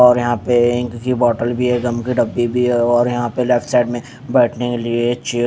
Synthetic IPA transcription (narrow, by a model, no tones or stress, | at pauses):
ɔːɾjɐɦãpeɪ̃kkibɔːʈəlbʱiɦɛɡɐmkiɖɐbːibʱiɦɛɔːɾjɐɦãpeleːpʈʰsaːɪɖmẽ | bɛːʈʰnekeliet͡ʃeː